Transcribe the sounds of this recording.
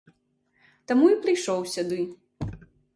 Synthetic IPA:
t̪amuipɾɨjʂɔwsʲud̪ɨ

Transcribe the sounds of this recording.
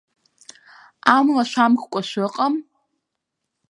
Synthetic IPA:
amlaʃʷamkkʷʼaʃʷɨqʼam

